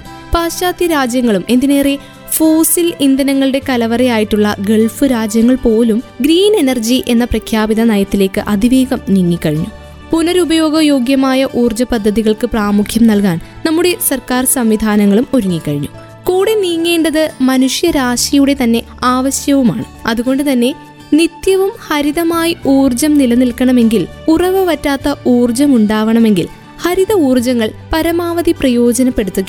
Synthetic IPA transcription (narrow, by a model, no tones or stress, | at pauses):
paːɕaːd̪jɐɾaːd͡ʑjɐŋːɐɭumʔe̞nd̪ine̞ːre | foːsilind̪ɐnɐŋːɐɭɨɽe̞kɐlɐʋɐrɐjaːjiʈːuɭːɐ̰ɡe̞ɭfɨɾaːd͡ʑjɐŋːɐɭpo̞ːlumɡɾiːne̞nɐrd͡ʑiʔe̞nːɐprɐkʰjaːbiðɐnɐjɐt̪ːile̞ːkːɨʔɐd̪ʱiʋeːɡɐmniŋːikːɐɻiɲːṵ | punɐɾubɐjo̞ːɡɐjo̞ːɡjɐmaːjɐʔuːrd͡ʑɐpɐd̪ʱːɐðiɣɐɭkɨpraːmukʰjɐmnɐlkaːn | nɐmːuɽe̞sɐrkaːrsɐmʋid̪ʱaːnɐŋːɐɭumo̞ɾuŋːikːɐɻiɲːu | kuːɽeniːŋːe̞ːɳɖɐðɨmɐnuʂjɐɾaːʂɐjuɽe̞t̪ɐnːe̞ | aːʋɐɕjɐʋuma̰ːɳɨɐðuɣo̞ɳɖɨt̪ɐnːe̞ | nit̪jɐʋumhɐɾiðɐmaːjiuːrd͡ʑɐmnilɐnilkɐɳɐme̞ŋɡilurɐʋɐʋɐtːaːt̪ːɐʔuːrd͡ʑɐmuɳɖaːʋɐɳɐme̞ŋɡḭl | hɐɾiðɐuːrd͡ʑɐŋːɐɭpɐɾɐmaːʋɐðiprɐjo̞ːd͡ʑɐnɐpːe̞ɽut̪ːukː